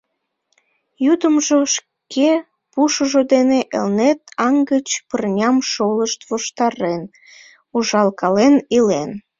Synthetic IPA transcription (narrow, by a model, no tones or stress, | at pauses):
jud̪əmʒoʃ | ke | puʃəʒod̪eneʔḛlnet̪ɑŋɡət͡ɕpərnʲɑmʃoləʃt̪voʃt̪ɑɾen | uʒɑlkɑlenilen